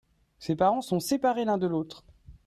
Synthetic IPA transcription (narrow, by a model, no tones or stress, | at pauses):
sepaʁɑ̃sɔ̃sepaʁelɛ̃d̪əlot̪χ